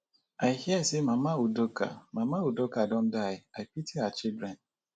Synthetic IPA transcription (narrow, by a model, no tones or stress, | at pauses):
aɪhiɛsemamaudoka̰mamaudokadɔ̃n̩dajɪaɪpitʰiat͡ʃɪbɾɛ̃n